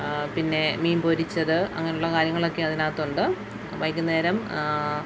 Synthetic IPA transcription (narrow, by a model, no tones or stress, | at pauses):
pinːe̞miːmpo̞ɾit͡ɕːɐðɨʔɐ̰ŋːɐneuɭːɐkaːɾjɐŋːɐɭo̞kːe̞ɐðinaːt̪ːuɳɖɨ | ʋɐjkːɐne̞ːɾɐm